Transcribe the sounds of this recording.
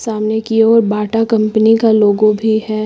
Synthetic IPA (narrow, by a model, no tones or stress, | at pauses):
saːmnekiɔːɾbaːʈakɐ̃mpənikaloːɡõbʱihɛː